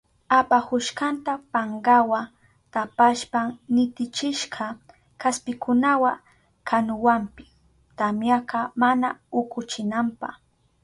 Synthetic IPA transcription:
apahʊʃkɑnt̪apaɴɢɑwa | t̪apaʃpaŋnɪt̪ɪt͡ʃɪʃqʰɑ | kaspɪkʊnawa | kʰanʊwampɪ̥s | t̪amjaqɑmanaʊkʊt͡ʃɪnampɑ̰χ

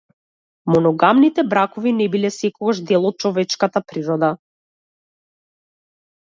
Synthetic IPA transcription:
mɔnɔɡamnit̪ɛbɾakɔvinɛbilɛsɛkɔɡaʒd̪ɛlˠɔt̪̚t͡ʃɔvɛt͡ʃkat̪apɾiɾɔd̪a

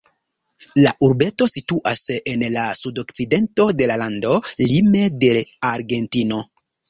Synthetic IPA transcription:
laʔuɾbe̞to̞situʔasenlasudo̞kt͡side̞nto̞de̞lalando̞lime̞de̞aɾɡe̞ntino̞

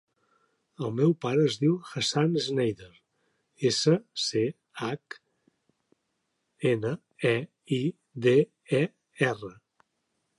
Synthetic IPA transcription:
əlˠmɛwpaɾəːzðiwxəsaneznɛjðeɾ | esəse | ak | enə | ɛ | i | ðe | ɛ | ɛrə

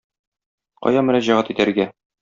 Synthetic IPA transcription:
qɒ̰jɑmɵ̆ɾæʑæʁæt̪it̪æɾɡæ

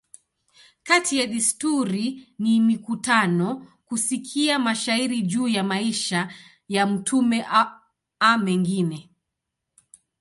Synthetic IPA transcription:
katijaɗistuɾinimikutanɔkusikʰiamaʃaiɾiʄuːjamaiʃa | jam̩tʰumɛʔ | amɛŋɡinɛ

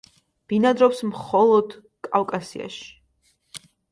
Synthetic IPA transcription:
b̥inad̪ɾɔpsmχɔlˠɔd̪ | kʼawkʼasia̰ʃi̥

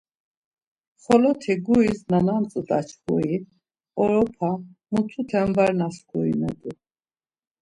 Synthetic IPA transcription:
χɔlɔt̪ʰɛɡuisnanamt͡sʼd̪a̰t͡ʃʰkʰɔ̰i | ɔɾɔpʰamut͡s̪ʰut̪ʰɛmvaɾnaskʰuḭnɛd̪u

